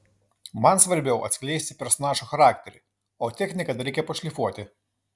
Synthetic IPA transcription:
mɐnsʋɐɾʲbʲɛʊʔɐ̰t̪sʲklʲɛɪsʲt̪ʲɪpʲɛɾsɔnɑːʒuːxɐɾɑːkt̪ʲɛɾʲɪ̰ | oːt̪ʲɛkʲnʲɪkɐt̪ɾʲɛɪkʲɛpɐʃʲlʲifuɔt̪ʲɪ

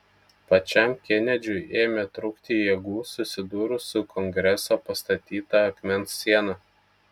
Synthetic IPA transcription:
pɐt͡ʃʲɛˑmkʲɛnʲɛd͡ʒʲʊɪʔeːmʲet̪ɾʊkt̪ʲiːjeːɡuːsʊsʲɪd̪uːɾʊsʊkʰɔŋʲɡɾʲɛsɑpɐst̪ɐt̪ʲiːt̪ɐɐkmʲɛnsːʲiɛnɑ

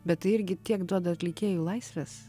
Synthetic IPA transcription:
bʲɛt̪t̪ɐɪɪɾʲɡʲɪt̪ʲiɛkd̪uɔd̪ɐɐt̪ʲlʲɪkʲeːjuːlˠɐɪsʲʋʲɛs

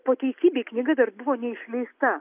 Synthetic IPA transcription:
poːt̪ʲɛɪsʲiːbʲeːknʲɪɡɐd̪ɐɾbʊʋoːnʲɛɪʃʲlʲɛɪst̪ɐ

